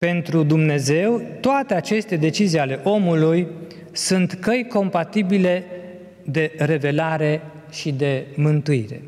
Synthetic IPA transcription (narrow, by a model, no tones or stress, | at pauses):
pe̞nt̪ɾud̪umne̞ze̞wt̪oat̪e̞at͡ʃe̞st̪e̞d̪e̞t͡ʃizijale̞ʔo̞muluj | sunt̪kəjko̞mpat̪ibile̞ | d̪e̞ɾe̞ve̞laɾe̞ | ʃid̪e̞mɨnt̪uiɾe̞̰